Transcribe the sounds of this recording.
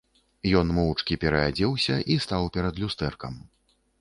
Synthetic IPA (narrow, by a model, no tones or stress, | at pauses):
jɔnmɔt͡ʂkʲipʲɛɾɐad͡zʲɛwsʲɐʔist̪awpʲɛɾɐd̪lʲust̪ɛrkɐ̰m